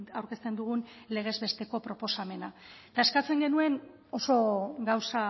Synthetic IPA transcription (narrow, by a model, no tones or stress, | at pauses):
awɾke̞st̪e̞nd̪uɣ̞unle̞ɣ̞e̞zβe̞st̪e̞ko̞pɾo̞po̞same̞nat̪aeskat͡se̞ŋɡe̞nue̞n | o̞so̞ɡawsa